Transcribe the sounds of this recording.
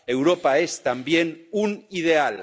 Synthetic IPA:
e̞wɾopaest̪ambjenunið̞eal

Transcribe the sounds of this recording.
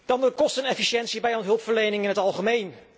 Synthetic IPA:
d̥ɑndərkɔstənɛfiʃɛnsibɛjɔnɦɵlˠpfəɹlejnɪŋɪnɦətɑlˠχəmejn

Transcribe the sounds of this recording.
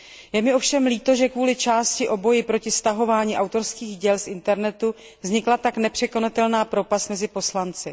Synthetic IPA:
jɛmɪʔo̞fʃɛmliːt̪o̞ʒɛkvuːlɪt͡ʃaːscɪʔo̞bo̞jɪpɾo̞cɪst̪aɦo̞vaːɲiːʔawt̪o̞ɾskiːɣɟɛlsʔɪnt̪ɛɾnɛt̪u | vzɲɪklat̪aknɛpr̥ɛko̞nat̪ɛlnaːpɾo̞past̪mɛzɪpo̞slant͡sɪ

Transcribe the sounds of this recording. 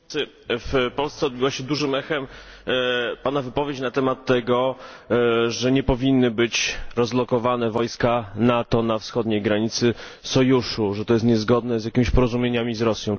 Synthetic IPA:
fpɔlst̪sɛɔd̪̚bɘwaɕɛd̪uʐɘmɛxɛm | panavɘpɔvʲjet͡ɕnat̪ɛmat̪ːɛɡɔ | ʐɛɲɛpɔvʲinːɘbɘt͡ɕɾɔzlɔkɔvanɛvɔjskanat̪ɔnafsxɔd̪ɲejɡɾaɲit̪sɘ | sɔjuʂuʐɛt̪ɔjɛst̪ɲɛzɡɔd̪nɛzʲjakʲimʲiɕpɔɾɔzumʲjeɲamʲizɾɔsʲjɔ̃w̃

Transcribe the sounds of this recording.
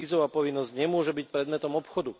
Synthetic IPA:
izɔʋaːpɔʋinːɔzɟɲɛmʊɔʒɛbic̚pɾɛd̪mɛt̪ɔmɔpxɔd̪u

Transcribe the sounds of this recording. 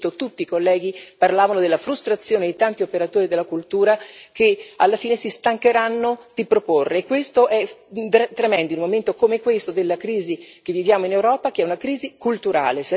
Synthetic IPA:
t̪ot̪ut̪ːiːkolːɛːɡ̟iparlaːvanod̪elːafɾust̪ɾat̪sːjoːned̪it̪ant̪iopeɾat̪oːɾid̪elːakult̪uːɾak̟ealːafiːnesist̪aŋkeɾanːod̪̥ipɾoporːeːkːwest̪oʔɛd̪t̪ːɾemɛnd̪oilmoment̪okomekwest̪od̪elːakɾiːzik̟evːivjaːmoinewɾɔːpak̟eɛunakɾiːzikult̪uɾa̰ːles

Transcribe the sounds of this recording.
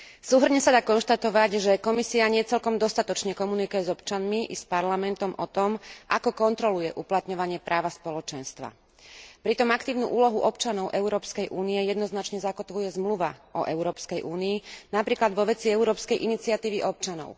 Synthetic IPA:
suːɦr̩ɲɛsad̪aːkɔnʃt̪at̪ɔʋaɟʒɛkɔmisiaɲɪɛt͡sɛlkɔmd̪ɔst̪at̪ɔt͡ʃɲɛkɔmunikujɛzɔpt͡ʃanmiʔispaɾlamɛnt̪ɔmʔɔt̪ɔmʔakɔkɔnt̪ɾɔlujɛʔuplat̪ɲɔʋaɲɪɛpɾʔaːʋaspɔlɔt͡ʃɛnst̪ʋa̰ | pɾit̪ɔmakt̪iːʊnṵʔuːlɔɦuʔɔpt͡ʃanɔʊʔɛʊɾɔːpskɛjʔuːniɛjɛd̪nɔznat͡ʃɲɛzakɔt̪ʋujɛzmluʋaʔɔʔɛʊɾɔːpskɛjʔuːniːnapɾiːklad̪ʋɔʋɛt͡siɛuɾɔːpskɛjʔinit͡siat̪iːʋiʔɔp̚t͡ʃanɔ̰ʊ

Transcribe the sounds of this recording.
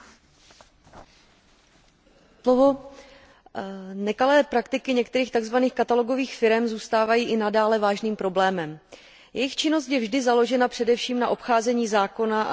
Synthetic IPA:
slovo̞ | nɛkalɛːpɾakt̪ɪkɪɲɛkt̪ɛɾiːxt̪aɡzvaniːxkat̪alo̞ɡo̞viːxfɪɾɛmzuːst̪aːvajiːʔɪnadaːlɛvaːʒniːmpɾo̞blɛːmɛm | jʔɛjɪxt͡ʃɪno̞scjɛvʒdɪzalo̞ʒɛnapr̥ɛdɛfʃiːmnaʔo̞pxaːzɛɲiːzaːko̞na̰

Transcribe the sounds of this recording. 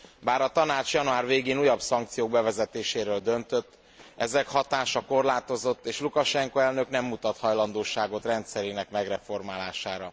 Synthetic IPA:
baːɾɒt̪ɒnaːt͡ʃjɒnuaːrveːɡeːnuːjɒbsɒŋk̚t̪sijoːɡbɛvɛzɛt̪eːʃeːɾøːld̪ø̞nt̪øt̪ː | ʔɛzɛkhɒt̪aːʃɒko̞rlaːt̪o̞zo̞t̪ːeːʃlukɒʃɛŋkoɛlnø̞knɛmːut̪ɒt̪hɒjlɒnd̪oːʃaːɡo̞t̪rɛnt̪sɛɾeːnɛkmɛɡrɛfo̞rmaːlaːʃaːɾɒ

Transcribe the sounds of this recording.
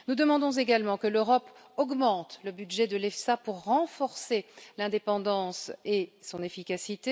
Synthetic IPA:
nud̪əmɑ̃d̪ɔ̃zeɡalmɑ̃kəløʁɔp | ɔɡmɑ̃t̪ləbyd̪ʒɛd̪əlɛfsapuʁːɑ̃fɔʁselɛ̃d̪epɑ̃d̪ɑ̃sesɔ̃nefikʲasit̪e

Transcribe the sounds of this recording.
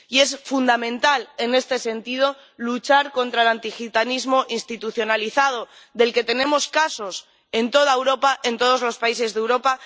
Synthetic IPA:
ie̞sfund̪amẽ̞nt̪ale̞ne̞st̪e̞se̞nt̪ið̞o̞ | lut͡ʃaɾko̞nt̪ɾaelant̪ixit̪anizmo̞ʔinst̪it̪uθjo̞naliθað̞o̞ | ðe̞lke̞t̪e̞nẽ̞mo̞skaso̞s | e̞nt̪o̞ð̞aewɾo̞paʔe̞nt̪o̞ð̞o̞zlo̞spaise̞zðewɾo̞pa

